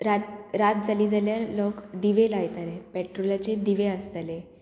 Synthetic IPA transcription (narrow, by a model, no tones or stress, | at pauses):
ɾat̪ɾat̪̚d͡zaliːd͡zaljaɾlɔkd̪iʋelajt̪aɾepɛʈɾolat͡ɕed̪iʋeast̪ale